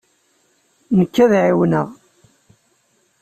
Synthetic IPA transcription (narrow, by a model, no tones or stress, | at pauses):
nəkːæðʕiwnə̰ʁ